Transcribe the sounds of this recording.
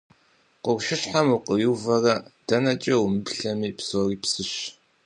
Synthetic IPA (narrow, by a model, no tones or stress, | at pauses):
qʷʊrʷʃɪɕħamuqəwuwvɐrɐd̥ɐnɐt͡ʃʼɐwmɨbɬɐmiːpsoːriːpsɨɕ